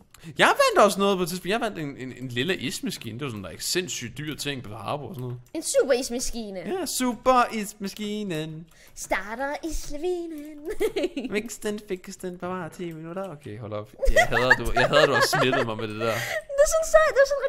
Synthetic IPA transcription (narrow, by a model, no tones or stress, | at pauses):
jɑ̈ɪʋæn̰d̥ɒ̽snɔ̽ːð̩ˠpʰt͡sʰiðˠsˠb̥njɑhʋæn̰d̥e̝nenenliləʔismæsɡ̥ḭːnd̥e̝ʋɑ̈sɔn̥eɡ̥se̝n̰sy̰ːd̥ːyɐ̰t͡sʰe̝ŋ̰pʰɒɑ̈ːb̥oɒsɔ̽nɔ̽ːð̩ˠe̝nsub̥ɐismæsɡ̥iːnəjæsub̥ɐismæsɡ̥iːnən | sd̥ɑ̈ːɾ̥ɐʔislʋiːnənmeɡsd̥en̥feɡsd̥ænpʰɑbɑt͡sʰe̝̰ːʋenudæokʰeɦɔlɒb̥jhæðˠɐd̥ujaɦæðˠɐduɒsːmed̥ð̩ˠmɑ̈ɪmed̥ed̥æɐd̥esɔnsæd̥eɐsɔnʁ